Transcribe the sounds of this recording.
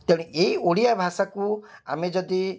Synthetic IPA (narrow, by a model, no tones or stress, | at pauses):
t̪eɽ̃iʔeioɽijabʱasakũa̰mẽd͡ʒɔd̪i